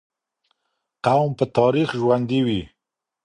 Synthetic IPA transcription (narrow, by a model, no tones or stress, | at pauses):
qawmpət̪ɑɾixʒwand̪iwi